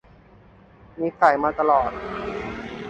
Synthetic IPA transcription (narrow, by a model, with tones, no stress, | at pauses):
ni˦˥sa˨˩jmaː˧t̪a˧lɔː˨˩t̪̚